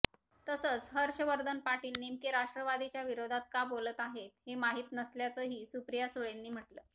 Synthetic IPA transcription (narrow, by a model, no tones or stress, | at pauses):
t̪əsəːt͡sɦəɾɕəʋəɾd̪ʱənpaʈiːlnemkeɾaʂʈɾəʋad̪it͡ɕjaʋiɾod̪ʱat̪kabolət̪aɦet̪hemaɦiːt̪nəsljat͡səːɦiːsupɾijasuɭenːiːm̤əʈləː